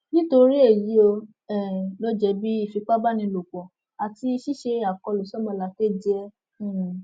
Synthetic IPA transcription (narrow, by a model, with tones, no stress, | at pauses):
nĩ˦to˧ɾi˦e˦˨ji˨˦o˧ | ɛ˦˨lo˦d͡ʒɛ˧bi˦i˦˨fi˨˧k͡pa˦ba˦nĩ˧lo˨k͡pɔ̃˨ | a˨ti˧ʃi˦ʃe˧a˨kɔ˧˨lo˨˦sɔ˦mɔ̃˧la˨˦k͡pe˦˨d͡ʒɛ˧˨